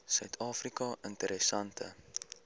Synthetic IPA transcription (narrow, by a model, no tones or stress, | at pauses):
sœɥtʰɑːfrikɐəntəɾʔɛsɐntʰə̰